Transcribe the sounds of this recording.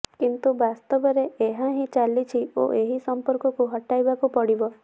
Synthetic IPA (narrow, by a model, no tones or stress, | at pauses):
kint̪ubast̪ɔbɔɾeeɦaɦĩt͡ʃalit͡ʃʰio̰ʔeɦisɔmpɔɾkɔkuɦɔʈajbakupɔɽibɔ